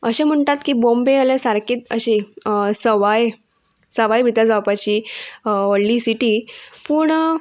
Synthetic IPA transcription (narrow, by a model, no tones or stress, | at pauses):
əɕem̤əɳʈ̪at̪kiːbombeəlesaɾkiːt̪əɕisəʋaj | səʋajbʱit̪ad͡zawpat͡ɕi | oɽliːsiʈiːpuːɳ